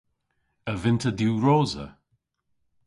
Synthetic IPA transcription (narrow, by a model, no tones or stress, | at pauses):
əvɪntʰədjuːɹɔːzə̰